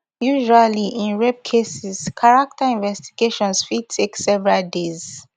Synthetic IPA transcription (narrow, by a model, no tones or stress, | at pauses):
juʒualiʔĩnɹɛb̚kʰesiz̥kʰaɹak̚tʰaĩnvɛsti̥ɡeʃɔ̃nsfid̚tʰeksɛvɛɹaldez̥